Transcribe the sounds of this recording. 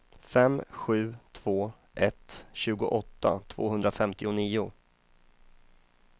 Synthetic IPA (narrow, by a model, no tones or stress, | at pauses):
fɛmɧʉ̟ːt̪ʰv̥oː | ʔɛt̪ɕʉ̟ːɡʊ̰ʔɔt̪ːa̰t̪ʰv̥o̰ːɦɵnd̪ɾafɛmt̪ɪʊniːʊ